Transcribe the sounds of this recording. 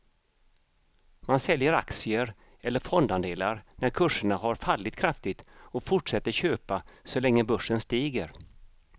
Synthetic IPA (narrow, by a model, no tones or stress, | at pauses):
mansɛljəɾa̰k̪sɪəɾ | ɛlːəɾfɔnd̪and̪eːlaɾnæɾkʰɵʂəɳaɦaɾfalːɪt̪kʰɾaft̪ɪt̪ɔfʊʈʂɛt̪ːəɾɕøːpasɔlɛŋːəbɵʂːənst̪iːɡəɾ